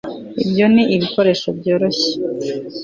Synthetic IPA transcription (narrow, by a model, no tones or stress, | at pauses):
ḭbjo̞niʔiβiko̞ɾe̞ʃobjoːɾo̞ɕe̥